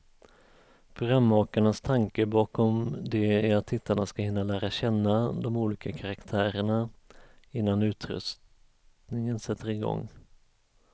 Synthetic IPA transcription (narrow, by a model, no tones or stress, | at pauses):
pʰɾʊɡɾamːɑːkaɳast̪ʰaŋkəbɑːkɔmd̪ɛæɾat̪ʰːɪt̪ʰːaɳaskahɪnːalæːɾaɕɛnːad̪ɔmuːliːkakʰaɾakt̪ʰæːɾəɳa | ɪnːanʉ̟ːt̪ɾɵ̰st | nɪŋənsɛt̪ʰːəɾɪɡɔ̰ŋː